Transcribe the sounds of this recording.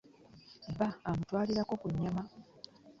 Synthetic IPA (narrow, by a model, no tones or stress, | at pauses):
baːmutwaːliɾako̞kuɲːama